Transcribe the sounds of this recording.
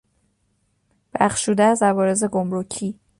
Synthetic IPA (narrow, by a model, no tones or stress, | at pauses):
b̥æχʃuːd̪ææzævɒːɾe̞ze̞ɡo̞mɾocʰiː